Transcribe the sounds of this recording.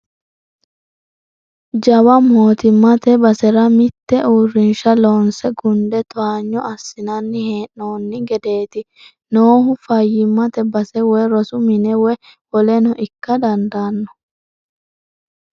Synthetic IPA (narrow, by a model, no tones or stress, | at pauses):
d͡ʒɐwɐmo̞ːt̪ɪmːɐt̪ɛbɐsɛɾɐmɪt̪ːɛuːrːɪnʃɐloːnsɛɡʊnd̪ɛt̪aːɲːɔɐsːɪnɐnːɪheːnːoːnːɪɡɛd̪e̞ːt̪ɪ | noːhʊfɐjːɪmːɐt̪ɛbɐsɛwɛɾɔsʊmɪnɛwɛwɔlɛnɔʔɪkːɐd̪ɐnd̪aːnːɔ̥